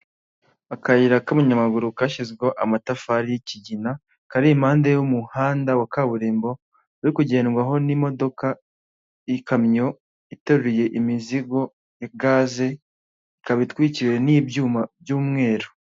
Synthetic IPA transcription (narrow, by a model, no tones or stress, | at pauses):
akajiɾakamuɲamaɡuɾukaʃizɡoʔamatafaɾijiciɟina | kaɾiːmhaːndejumuhaːndawakaːβuɾeːmbo̞ | aɾikuɟe̞ːnɡwaɦo̞nimo̞do̞ka | ikʰamɲo̞ | itoɾuɾije̞ʔimiziɡo̞ | jaɡaze̞ | ikaβitwiciwenibɟumabjuːmŋe̞ːɾo